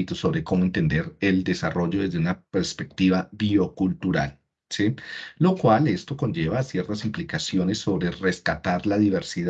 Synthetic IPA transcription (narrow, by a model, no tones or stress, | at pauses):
it̪oso̞βɾe̞ko̞moe̞nt̪e̞nd̪e̞ɾeld̪e̞saro̞ʝo̞ðe̞zd̪e̞unape̞ɾspe̞k̚t̪iβabiokult̪uɾa̰l | silo̞kwale̞st̪o̞ko̞nd͡ʒe̞βaːsje̞ɾt̪asimplikasjo̞ne̞sːo̞βɾe̞re̞skat̪aɾlaðiβe̞ɾsið